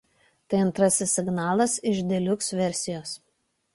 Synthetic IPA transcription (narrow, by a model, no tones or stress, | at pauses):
t̪ɐɪɐnt̪ɾɐsʲɪsʲɪɡnɑːlˠɐsɪʒd̪ʲɛlʲʊksʋʲɛɾʲsʲɪjoːs